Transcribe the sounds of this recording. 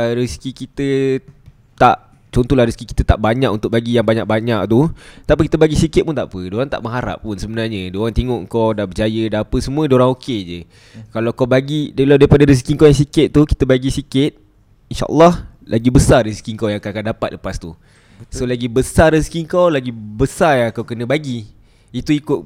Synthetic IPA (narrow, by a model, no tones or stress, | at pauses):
ɾiskikit̪ə | t̪aʔ | t͡ʃɔnt̪ɔlahɾiskiki̥t̪ət̪a̰ʔbaɲãkʔunt̪ʊk̚baɡijaŋbaɲak̚baɲaʔ̚t̪ut̪aʔpikit̪əbaɡisikɪt̪̚punt̪a̰ʔpədoɾaŋt̪a̰ʔməŋɦaɾa̰pːunsəbənarɲədoɾaŋt̪iŋoʔŋkɔwdabəd͡ʒajədaapəsəmũədoɾaŋoked͡ʒə | kalawkabaɡidaladaipadaɾis̬kiŋkawjaŋsikɪt̪̚t̪ːuki̥t̪əbaɡisikɪt̪̚ | inʃa̰ʔə̰lːɔh | lʔaɡibəsariskiŋkawjaŋkakandapat̪̚ləpast̪u | solaɡibəsariskiŋkawlaɡibəsajaŋkawkənə̃baɡi | it̪uikʊt̪̚